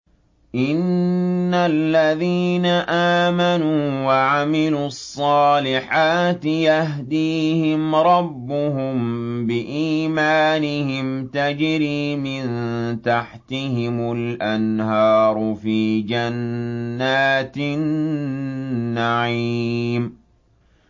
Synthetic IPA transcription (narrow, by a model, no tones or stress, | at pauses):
ʔɪnː | alːaðiːnaʔaːmanuːwaʕamɪluːɑsˤːɑːlɪħaːt̪ɪjahɦd̪iːhɪmɾˤɑbːʊhʊmbɪʔiːmaːnɪhɪmt̪ad͡ʒɾiːmɪnt̪aħt̪ɪhɪmʊlʔanhɑːɾˤʊfiːd͡ʒanːaːt̪ɪn | aʕim